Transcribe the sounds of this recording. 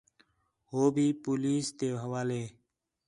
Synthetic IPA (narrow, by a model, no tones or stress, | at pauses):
ɦoːbʱiːpuːliːst̪eːɦəʋaːleː